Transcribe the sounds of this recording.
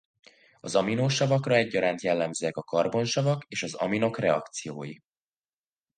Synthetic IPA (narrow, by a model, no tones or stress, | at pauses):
ɒzɒminoːʃɒvɒkrɒɛɟːɒɾaːnt̪jɛlːɛmzøːɛkɒkɒrbo̞nʃɒvɒkeːʃɒzɒ̰mino̞krɛɒ̰kt̪sijo̰ːji